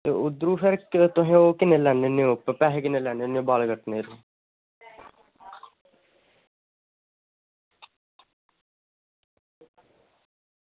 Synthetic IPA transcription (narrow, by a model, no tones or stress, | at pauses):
t̪eːʊd̪ɾuːpʰəɾkt̪ʊɦẽːoːkɪneːlɛːneːneʊppɛɦkɪneːlɛːneːneobaːlɡəʈːneːɾuː